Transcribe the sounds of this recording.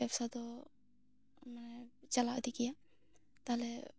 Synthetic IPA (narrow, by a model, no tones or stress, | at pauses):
apsad̪ɔ | manɛt͡ʃalaʔd̪ikija | t̪aɦlɛ